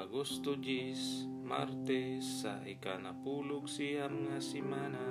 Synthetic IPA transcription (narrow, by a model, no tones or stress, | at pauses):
aɡust̪ud͡ʒis | ma̰rt̪esːa̰ʔikanapuluɡsiamŋasimana